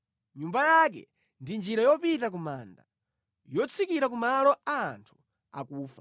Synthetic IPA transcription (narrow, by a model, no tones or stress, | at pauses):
ɲumbajak̬ɛ̰ | ndind͡ʒiɾajɔpitak̬umaːnda | jɔt͡sʰikiɾak̬umalɔaːntʰu̥ | a̰kuːfḁ